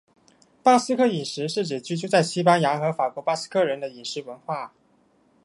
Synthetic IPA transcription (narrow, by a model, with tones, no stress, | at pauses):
pa˥sɹ̩˥kʰɤ˥˩i˨˩ʂɻ̩˧˥ʂɻ̩˥˩ʈ͡ʂɛ˨˩t͡ɕy˥t͡ɕjo˥t͡sa˥˩ɪɕi˥pa˥nja˧˥xɤ˧˥fa˨˩kwɔ˧˥pa˥˩sɹ̩̥˥kʰɤ˥˩ɻə˧˥nd̪ə˧i˨˩ʂɻ̩˧˥wə˧˥nxwa˥˩